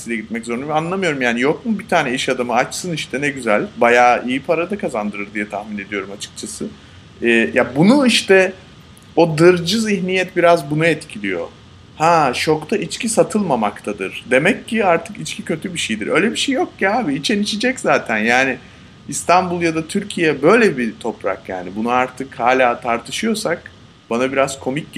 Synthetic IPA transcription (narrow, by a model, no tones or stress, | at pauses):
silɛɟit̪mɛczo̞ɾunmanlˠamɯjo̞ɾumjaːnijo̞kmubit̪ʰaːnɛiʃad̪amɯat͡ʃsɯniʃt̪ʰɛnɛɟyzɛlʲbajaːijipʰaɾad̪akʰazand̪ɯɾɯɾd̪ijat̪ʰahmine̞d̪ijo̞ɾumat͡ʃʰɯ̥k̚t͡ʃʰasɯ | ɛːjabunuiʃt̪ɛ | o̞d̪ɯɾd͡ʒɯziçnijɛt̪̚biɾazbunuɛt̪cʰilʲijo̞̰ | haʃo̞kt̪ʰaʔit͡ʃcisat̪ʰɯlˠmamakt̪ʰad̪ɯɾ̥d̪e̞mɛcːiaɾt̪ʰɯkit͡ʃcʰicʰø̞t̪ʰybiʃejd̪ḭɾʔø̞̰jlʲɛbiʃejjok̚jaaːbiːt͡ʃʰenit͡ʃid͡ʒɛczaːt̪ʰænjaːnɪ | ist̪ʰanbulˠjad̪at̪ʰyɾcʰijɛbø̞jlʲɛbit̪ʰo̞pɾa̰kja̰ːnibunuaɾt̪ʰɯkhaːlʲaːt̪ʰaɾt̪ʰɯ̥ʃɯjo̞sak̚ | banabiɾazkʰo̞mic̚